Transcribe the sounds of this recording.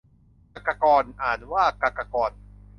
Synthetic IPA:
ka˨˧kːa˧kɔː˧nʔaː˨˩t̪̚waː˥˩ka˧˩ka˧kɔː˧n

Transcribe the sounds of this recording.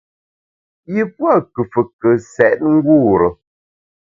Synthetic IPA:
ji˦pwa˦˨kə˨fə˨kə˨sɛ˨ʔt̚ŋ̩˦ɡu˦˨ɾə˨

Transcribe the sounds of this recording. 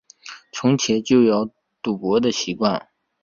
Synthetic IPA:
t͡sʰʊ˧˥ŋt͡ɕʰjɛ˧˥t͡ɕjo˥˩ʊjɑ˧˥ʊ | t̪u˨˩kwɔ˧˥d̪ə˧ɕi˧˥kwa˥˩n

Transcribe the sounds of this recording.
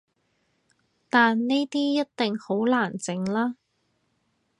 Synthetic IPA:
t̪aː˨nne˥jt̪iː˥jɐ˥t̚t̪ɪ˨ŋho˨˥wlaː˨˩nt͡sɪ˨ŋlaː˥

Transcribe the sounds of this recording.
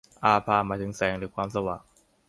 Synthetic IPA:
ʔaː˧pʰaː˧maː˧˩t̪ʰɯ˩˦ŋsɛː˩˦ŋɾɯː˩˦kʰwaː˧msa˧wa̰ː˨˩ŋ̚

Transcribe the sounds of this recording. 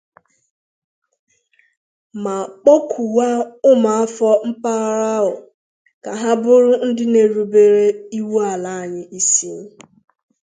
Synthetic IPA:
ma˨k͡po˦kʰu˨wa˦ʊ˦ma˨a˦fɔ˦m̩˦pa˦ɾa˦ʊ˨ | ka˨ɦa˦bʊ˦ɾʊ˦n̩˦dɪ˦ne˨ɾu˨be˨ɾe˦i˦wu˦a˨la˨˦a˨ɲɪ˨ʔi˦si˦

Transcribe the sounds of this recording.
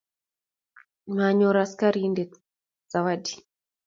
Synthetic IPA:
ma˨ɲɔ˨ɾaska˦ɾinde˨ | z̥a˨wadi

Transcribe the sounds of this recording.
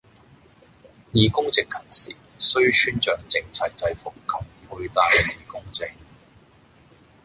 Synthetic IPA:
jiː˨˧kʊ˥ŋt͡sɪ˨kʰːɐ˨˩msḭː˨˩ | sɵ˥ɥsyː˥nt͡ʃœː˨ŋt͡sɪ˧ŋt͡sʰɐ˨˩j̚t͡sɐ˧jfʊ˨kkʰːɐ˨˩mpʰu˨˧ɥt̪aː˨jiː˨˩kʊ˥ŋt͡sɪ˨k̚

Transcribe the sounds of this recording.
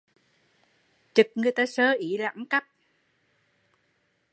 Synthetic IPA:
t͡ɕɨ˨˩k̚ŋɨ˨˩əjt̪aː˨˦˥səː˨˦ʔi˧˦la̰ː˧˥˦ŋka˦˥p̚

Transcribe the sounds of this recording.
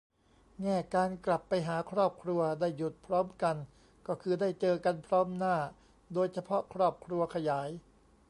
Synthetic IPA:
ŋɛː˥˩kaː˧nkla˨˩pːa˧jɦaː˩˦kʰɾɔː˥˩p̚kʰɾu˧ɐdaː˥˩jːu˨˩t̪̚pʰɾɔː˦˥mka˧n | kɔː˥˩kʰɯː˧daː˥˩jt͡ɕɤː˧ka˧npʰɾɔː˦˥mnaː˥˩ | doː˧jt͡ɕʰa˧pʰɔ˦˥kʰɾɔː˥˩p̚kʰɾu˧ɐkʰa˧jaː˩˦j

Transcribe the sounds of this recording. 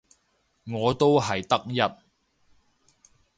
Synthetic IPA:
ŋɔː˨˧t̪o˥wɦɐ˨jt̪ɐ˥k̚jɐ˥t̚

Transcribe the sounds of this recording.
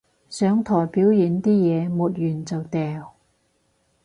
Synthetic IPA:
sœː˨˥ŋt̪ʰɔː˨˩jpiː˨˥wjiː˨˥nt̪iː˥jɛː˨˧muː˨t̚jyː˨˩nt͡sɐ˨wt̪ɛː˨w

